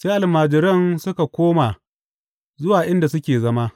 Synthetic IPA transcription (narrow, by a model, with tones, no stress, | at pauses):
seː˦ʔa˨lmaː˨d͡ʒɪ˨ɾɐ˦nsʊ˦ka˨kʷoː˦ma˨ | zʊ˦waː˨ʔɪ˦nda˨sʊ˦kʲeː˨zɐ˦ma˦